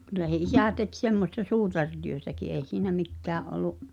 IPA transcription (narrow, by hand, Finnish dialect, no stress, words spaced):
kylæ se isæˑ tek semːostɑ suːtɑrtyøtæki ʔeˑi̞ siːnæ mikːæːʔ ʔolu